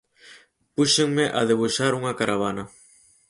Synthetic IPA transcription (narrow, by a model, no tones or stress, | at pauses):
puʃeŋmeʔa̰ðeβuʃaɾuŋakaɾaβ̞ana